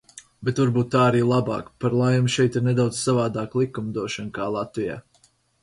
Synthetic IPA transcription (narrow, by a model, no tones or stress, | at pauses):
bet̪vaɾbuːt̪ːaːaɾiːlˠabɑ̰ːkpaɾlˠajumʃɛjt̪iɾnɛd̪awd̪z̥savaːd̪aːklˠikːumd̪uɔʃɔnkaːlˠat̪vija̰ː